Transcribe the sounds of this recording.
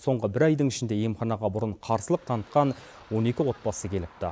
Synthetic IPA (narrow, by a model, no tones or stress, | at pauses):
so̞ɴʁəbɪɾɑjd̪əŋɪʃɪnd̪e̞je̞mχɑnɑʁɑbʊɾəɴqʰɑɾsəlˠəq̚t̪ʰɑnət̪̚qɑn | wo̞ne̞kʲɪwo̞t̪̚bɑsəkʲʰe̞lɪp̚t̪ɪ